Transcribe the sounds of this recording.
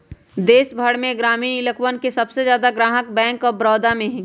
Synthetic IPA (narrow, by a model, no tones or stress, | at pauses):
d̪eːʃbʱəɽmẽɡɾaːmiɪləkwənkesɐbsezjaːd̪aɡɾaːɦək̚bɛ̃ːŋkɔːɾbɾɔːd̪amẽɦɛ̃